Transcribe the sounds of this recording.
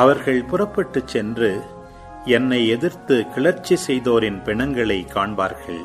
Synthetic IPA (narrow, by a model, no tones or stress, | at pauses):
ɐʋɐɾɣɐɭpʊrɐpːɐʈːɯt͡ʃːɛndrɯ | ɛnːɐɪɛðɪɾt̪ɯkɪɭɐɾt͡ʃːisɛjðoːɾɪnpɛɳɐŋɡɐɭɐɪkːaːɳbaːɾɣɐɭ